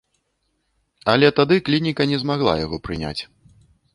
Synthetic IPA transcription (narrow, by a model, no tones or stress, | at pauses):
ɐlʲɛt̪ad̪ɨklʲinʲikɐnʲɛzmaɣlˠa̰jaɣɔpɾɨnʲa̰t͡sʲ